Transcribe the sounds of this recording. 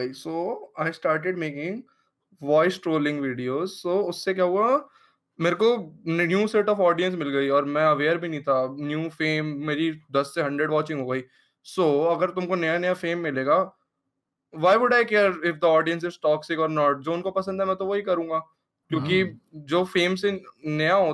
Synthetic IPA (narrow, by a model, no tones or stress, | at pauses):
isoːaːɪsʈaːɾʈeɖmeːkɪ̃ŋɡ | ʋɔːɪsʈɾoːlɪ̃ŋɡʋiːɖioːzsoːʊsːek̬jaːɦʊa | meːɾekonjuːseːʈɔːfɔːɖijə̃ns̬mɪlɡɐiɔːɾmɛ̃ɐʋeːəɾbʱinɐĩt̪ʰanjuːfeːmːeːɾid̪ɐsːeɦɐ̃ɳɖɾeɖʋɔːt͡ʃɪ̃ŋɡɦoːɡəiː | soːɐɡəɾt̪ʊmkonɐjanɐjafeːmːɪleːɡaː | ʋaːɪʋʊɖaːɪkɛːɾɪfd̪əɔːɖijə̃ns̬ɪzsʈɔːksekɔːɾnɔːʈ̚d͡ʒoːʊnkopɐsə̃nd̪ʱɦɛmɛ̃t̪oʋoɦikɐɾũːŋɡaː | kjõːkid͡ʒoːfeːmsenɐjaɦoː